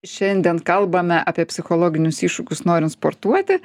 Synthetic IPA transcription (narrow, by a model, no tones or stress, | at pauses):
ʃʲɛnʲd̪ʲiɛnkɐlˠbɐmʲɛʔɑːpʲiɛpʲsʲɪxolˠoːɡʲɪnʲʊsiːʃʊkʲʊsnoːɾʲɪnspoɾt̪uɔt̪ʲɪ